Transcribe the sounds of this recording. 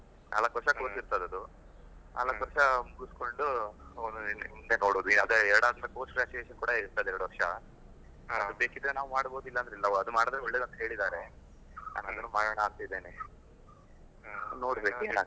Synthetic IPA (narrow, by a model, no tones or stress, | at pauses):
nʔa̰lɐkʋɐɾʂɐkoːt̪iɾt̪ad̪ɐd̪u | na̰ːlɐkʋɐɾʂɐmuɡusko̞ɳɖuond̪uind̪enoːɽoːd̪uinad̪eɛɾɐɽaːd̪ɐnɐpo̞ːsʈɡɾaːt͡ʃueʃɐnkuːɽɐiɾt̪ajd̪ɛɾɐɽuʋɐɾʂɐ | ɐd̪ubeːkid̪ɾenaːʋumaːɽbo̞ːd̪uilːɐnd̪ɾeilːɐɐd̪umaːɽɐd̪ɾeʋoɭːed̪ɐnt̪ɐɦe̞ːɭid̪aːɾe̞ | na̰ːnɐd̪ɐnːumaːɽɐːɳɐaːɾt̪id̪ːeːne | no̞ːɽbe̞ːkuena